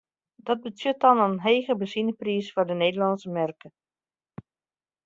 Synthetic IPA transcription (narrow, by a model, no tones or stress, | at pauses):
dɔt̚bətjøtɑnənɦeːɣəbəzinəprisfʊɹdəneːdəlɑnsəmɛrkə